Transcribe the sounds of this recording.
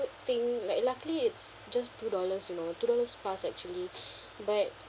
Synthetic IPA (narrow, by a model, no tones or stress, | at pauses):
θɪ̃ŋlaɪklakliɪts | d͡ʒastudɔləsjunotudɔləsplasɛk̚t͡ʃuəli | bat̚